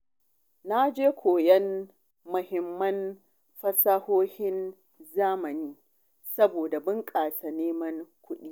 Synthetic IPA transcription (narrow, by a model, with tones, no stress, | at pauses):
na˦d͡ʒeː˦kʷoː˨jɛ˦n | mʊ˨hɪ˨mːɐ˦n | ɸɐ˦sa˦hoː˦hɪ˦n | zaː˦mɐ˨niː˦ | sɐ˦boː˨da˨bɪ˦ŋkʼaː˨sa˨neː˦mɐ˦ŋkʷʊ˦ɗiː˦